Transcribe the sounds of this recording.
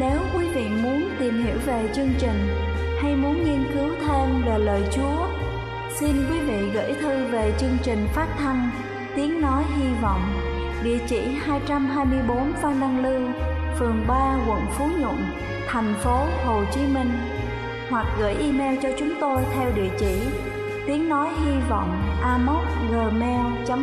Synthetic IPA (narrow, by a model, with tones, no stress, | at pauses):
ne˨˦wkwi˨˦vḭ˧˨mu˨˦ənt̪i˨˩mhḭ˧˩əwve˨˩t͡ɕɨ˧əŋt͡ɕï˨˩ŋ̟ | ha˧jmu˨˦ənŋi˧ənkɨ˨˦wt̪ʰe˧nve˨˩ləː˨˩jt͡ɕu˨˦ə | si˧nkwi˨˦vḭ˧˨ɣə̰˧˥jt̪ʰɨ˧ve˨˩t͡ɕɨ˧əŋt͡ɕï˨˩ŋ̟faː˦˥t̚t̪ʰa˧n | t̪i˨˦ənnɔ˨˦jɦi˧vɔ̰˧˨wŋ͡m | ɗḭ˧˨ət͡ɕḭ˧˩˨haː˧jt͡ɕa˧mɦaː˧jmɨ˧əjɓo˨˦nfa˧nɗa˧ŋlɨ˧ | fɨ˨˩əŋɓaː˧kwə̰˧˨nfu˨˦ɲʊ̰˧˨n | t̪ʰɛ˨˩jŋ̟fo˨˦ho˨˩t͡ɕi˨˦mï˧ŋ̟ | hwa˨˩k̚ɣə̰ː˧˩jʔi˧mɛ˧wt͡ɕɔ˧t͡ɕʊ˨˦ŋ͡mt̪o˧jt̪ʰɛ˧wɗḭ˧˨ət͡ɕḭ˧˩˨ | t̪i˨˦əŋnɔ˨˦jɦi˧vɔ̰˧˨wŋ͡mʔaː˧mo˦˥t̚ɣəː˨˩mɛ˧wt͡ɕa˨˦